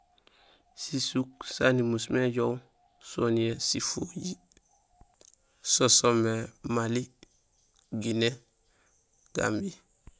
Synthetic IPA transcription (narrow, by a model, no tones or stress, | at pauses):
sisuk̚sanimusmeɟow | soniesifoji | sosomemali | ɡine | ɡ̥a̰mbi